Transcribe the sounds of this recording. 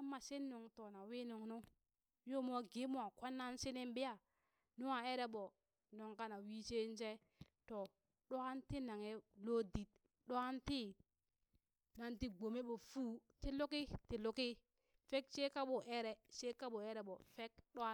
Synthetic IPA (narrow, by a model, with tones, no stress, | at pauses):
a˦mːa˨se˦nːu˨ŋto˨na˨wi˦nu˨ŋnu˦ | jo˦mo˦ɡe˨˦mo˦a˨kʷa˦nːa˦nse˦ne˦mbi˦ja˦˨ | nu˦wa˨e˦ɾe˦ɓo˨ | no˨ŋka˦na˨wi˦se˦n˦se˦ | to˨ | ɗo˦ha˦nti˦na˨ŋe˨lo˦di˨t̚ | ɗo˦a˦nti˦ | na˨nti˦ɡ͡bo˨me˦ɓo˨fuː˦ti˦lo˦ki˦ti˨lu˦ki˦ | fe˦kse˦ka˦ɓo˨ʔɛ˦ɾɛ˨se˦ka˦ɓo˨ɛ˦ɾɛ˨ɓo˨fe˦kɗo˦a˦